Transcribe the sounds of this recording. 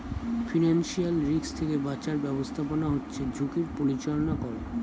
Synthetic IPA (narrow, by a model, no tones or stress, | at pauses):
finanʃialɾikst̪ʰekebat͡ɕaɾbɛbost̪ʰaponaɦotːɕʰed͡ʑʱukiɾpoɾit͡ɕɔlonakɔɾe